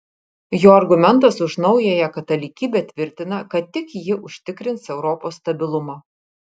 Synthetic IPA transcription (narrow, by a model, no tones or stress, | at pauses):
joːɐɾɡʊmʲɛnˑt̪ɐsʊʃnɒʊjɛjɛkɐt̪ɐlʲikʲiːbʲɛt̪ʲʋʲɪɾʲt̪ʲɪnɐkɐt̪̚ːʲɪkjɪʔʊʃʲt̪ʲɪkɾʲɪnsɛʊɾɔpoːsːt̪ɐbʲɪlˠʊmɐ